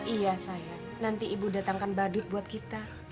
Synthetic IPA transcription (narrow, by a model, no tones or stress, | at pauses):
ijasaja | nant̪iʔibudat̪aŋkanbadʊt̪̚buat̪̚kit̪a